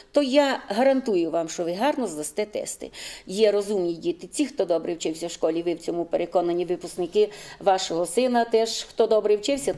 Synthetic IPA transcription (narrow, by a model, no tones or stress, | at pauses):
t̪ɔjaɦɐɾɐnt̪ujʊʋɑmʃt͡ʃɔʋɪɦɑrnɔzd̪ɐst̪ɛt̪ɛ̰st̪ɪ̰jɛɾɔzumnʲidʲit̪ɪt͡sʲixt̪ɔd̪ɔbɾɪwt͡ʃɪwsʲɐwʃkɔlʲiʋɪwt͡sʲɔmupeɾekɔnɐnʲiʋɪpʊsknɪkɪʋɑʃɔɦɔsɪnɐt̪ɛʃxt̪ɔd̪ɔbɾɛwt͡ʃɪwsʲɐ